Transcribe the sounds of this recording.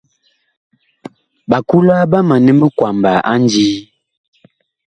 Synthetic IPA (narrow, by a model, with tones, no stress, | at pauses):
ba˨ku˦la˦ba˦ma˨nə˦mə˦kwa˨mba˨ʔa˦n˦d͡ʒi˦